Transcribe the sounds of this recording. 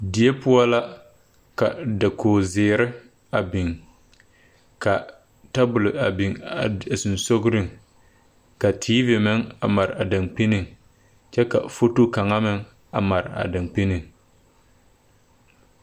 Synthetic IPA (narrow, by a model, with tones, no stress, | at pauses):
dɪ˨e˦pʊ˦a˦la˦ | ka̰˨da˨kʰoː˨zɪː˨ɾɪ˦ | a˨bɪ˨ŋ | ka˨ | ta˦bʊ˨lɪ˨a˨bi˨ŋ˨sʊ˨nso˦ɡɾɪ˦˨ŋ | ka˨tʰiː˦vi˨mɪ˦ŋa̰˨ma˨ɾɪ˨a˨da˨ŋk͡pi˦nɪ˨ŋ | t͡ʃɛ˦ka̰˨fo˦tu˦ka˨ŋa˦mɪ˨ŋ | a̰˨ma˨ɾɪ˨a̰˨da˨ŋk͡pi˦nɪ˨ŋ